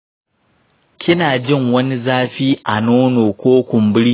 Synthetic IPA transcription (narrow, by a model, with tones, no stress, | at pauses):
kʲʰɪ˦naː˨d͡ʒɪ˦˨ŋwɐ˦ni˦zaː˦ɸiː˦ʔa˨noː˦noː˨kʷoː˦kʷʊ˨mbʊ˦ɽ